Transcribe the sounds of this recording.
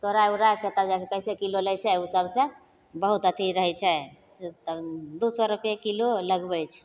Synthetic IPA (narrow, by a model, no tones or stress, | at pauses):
t̪oɾaeuɾaket̪əkd͡ʒakekəjsekilolɛjt͡ʃʰɛusəbsẽ | bəɦut̪ət̪iɾəɦɛt͡ʃʰɛ | t̪d̪osɔɾupekːiloləɡbɛt͡ʃʰ